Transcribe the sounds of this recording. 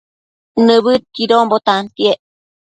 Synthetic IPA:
nɨβɨt̪̚kiɾombot̪ant̪ieʔ

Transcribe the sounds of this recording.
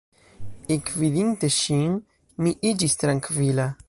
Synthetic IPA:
ekviðint̪eʃiŋ | miʔid͡ʒist̪ɾaŋkvila

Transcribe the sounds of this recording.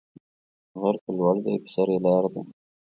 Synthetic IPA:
ɣaɾkalwɑld̪api̥saɾelɑːɾd̪a̰

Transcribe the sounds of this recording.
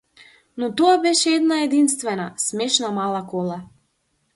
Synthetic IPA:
nɔt̪ɔabɛʃɛɛd̪naɛd̪inst̪vɛnasmɛʃnamalˠakɔlˠa

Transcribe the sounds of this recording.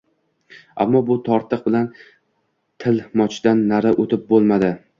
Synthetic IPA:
a̰mːɒbʊt̪ʰɒɾt̪ʰɨq̚bɪlan | t̪ʰɪlmɒt͡ʃʰd̪̥anːaɾaʔot̪ʰɪp̚bolˠmad̪ɪ

